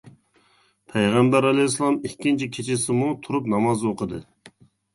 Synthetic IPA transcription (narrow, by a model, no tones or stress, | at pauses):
pʰɛjʁæmbæɾɑlɛjslˠɑmikʲːint͡ʃʰikʲʰet͡ʃʰisɪmut̪ʰuɾup̬nɑmɑzoqʰəd̪ɨ